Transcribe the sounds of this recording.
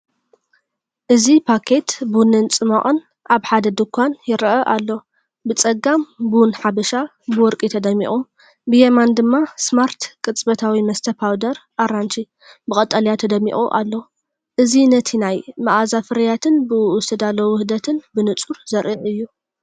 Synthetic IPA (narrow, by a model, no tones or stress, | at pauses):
ʔɨzipʰakʰe̞t̪bunɨnt͡sʼɨmɐʔʼɨn | ʔaβħad̪ɐd̪ɨkʰʷːanjɪɾʔɐʔalːo | bɨt͡sʼɐɡambwnħabɐʃa | bɨwɔɾkʼit̪ʰɐd̪ɐmːḭχʼum | bɨjemand̪ɨmːasmaɾt̪kʼɨt͡sʼbɐt̪ʰawimɐst̪ʰɐpʰawd̪ɐɾʔaɾant͡ʃʰi | bɨkʼɐt̪ʼːɐljat̪ʰɐd̪ɐmːḭχʼṵʔa̰lːo | ʔɨzinɐt̪ʰinajmɐʔazafɨɾɐjat̪ʰɨnbɨʊ̥t̪ʰɐd̪alowʊhɨd̪ɐt̪ʰɨnbɨnɨt͡sʼuɾzɐɾʔiʕɨjːu